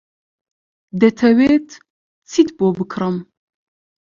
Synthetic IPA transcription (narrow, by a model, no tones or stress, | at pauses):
d̪ɛt̪ʰɐweːt̪ʰ | t͡sʰit̪boːbɨkʰɾəm